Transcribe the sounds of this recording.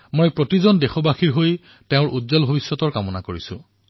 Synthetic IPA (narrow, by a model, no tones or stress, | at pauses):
mojpɹotizɔndexɔbaxiɹɦoj | teʊ̃ɹudzɔlbʱobisːɔtɔɹkamɔnakoɹisʊ̰̃